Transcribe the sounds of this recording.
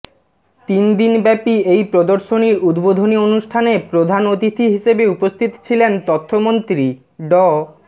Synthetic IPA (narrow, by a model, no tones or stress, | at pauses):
t̪ind̪inbɛpiejpɾod̪oɾʃoniɾud̪bod̪ʱonionuʃʈʰanepɾod̪ʱanot̪it̪ʰiɦiʃebeupost̪ʰit̪o̥t͡ɕʰilent̪ɔt̪ʰːomont̪ɾi | ɖɔ